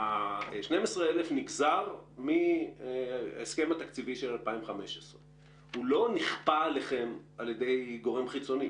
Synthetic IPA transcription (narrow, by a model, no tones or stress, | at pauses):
aʃnemesʁeelefniɡzaʁmi | eske̞mat̪akt͡siviʃelalpaimχame̞ʃesʁe | hulo̞niχpaleχe̞malje̞d̪e̞jɡo̞ʁemχit͡so̞ni